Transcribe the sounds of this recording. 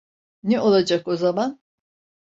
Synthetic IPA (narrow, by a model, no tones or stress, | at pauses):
nɛʔo̞lˠad͡ʒako̞zaman